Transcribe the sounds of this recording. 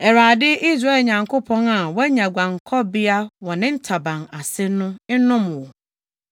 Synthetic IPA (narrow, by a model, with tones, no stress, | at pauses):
ɛ˨ɾaː˨dɪ˦ʔi˦sɾa˦e˨lɲã˨ŋkʰo˦pʰɔ̃˦na˨wɛ˦ɲã˨ɡʷã˨ŋ̩˨kʰɔ˦bɪ˦a˦wɔ̃˨nɪ̃˦n̩˦tʰa˨bã˨na˨sɪ˦nʊ̃˦ɪ˦nʊ̃˦mʊ̃˨wɔ˨